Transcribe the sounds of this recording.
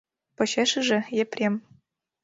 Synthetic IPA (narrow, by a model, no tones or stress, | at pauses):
pɤ̆ɕeʃɘ̆ʒɘ̆jeprʲem